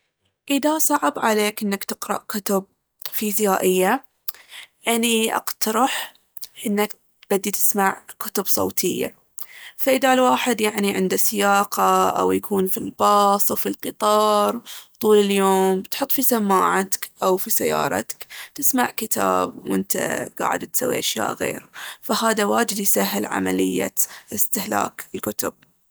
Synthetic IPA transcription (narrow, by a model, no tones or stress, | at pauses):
ʔɪðasˤɑʕɪbʕaleːkʔɪnːakt̪ɪqɾɑ̰ʔkʊt̪ʊb̚ | fiːzjaːʔɪjːa | ʔaniʔɑ̰qt̪ʰɑɾˤɑħ | ʔɪnːak | b̥ad̪ːit̪ɪ̥smaʕkʊt̪ʊbsˤo̰ːt̪ʰɪjːa̰ | faʔɪðalwaːħɪd̪jaʕniʕɪnd̪asɪjaːqɑʔa̰wjakʰuːnfilbɑːsˤawfilqɨt̪ˤɑːɾˤt̪ˤuːlɪljoːmbt̪ħʊt̪ːˤfisamːaːʕat̪kʔawfisajːɑ̰ːɾˤɑ̰t̪kt̪ɪsmaʕkɪt̪ʰa̰ːbwʔɪnt̪ʰa̰ɡ̥a̰ːʕɪ̰d̪t̪sawːḭʔaʃja̰ːʔɣḛːɾfahaːðawaːd͡ʒɪd̪jsaɦːɪlʕa̰ma̰lɪjːa̰ɪst̪ɪhla̰ːkɪlkʊt̪ʊb̥̚